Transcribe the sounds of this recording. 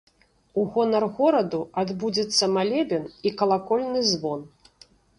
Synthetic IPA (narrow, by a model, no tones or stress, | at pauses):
uɣɔnɐrɣɔɾɐd̪uad̪bud͡zʲɛt̪sːɐmalʲɛbʲɛnikɐlˠakɔlʲnɨzvɔn